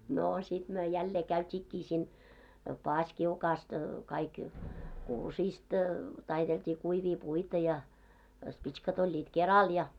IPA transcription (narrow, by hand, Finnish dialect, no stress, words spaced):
noː sit myø jælːeː kæytʲiːkːiː siːn pɑːskiukɑːst kɑik kuːsiːst tɑiteltʲiː kuiʋiː puitɑ jɑ pits̆kɑt olʲːiːt kerɑl jɑ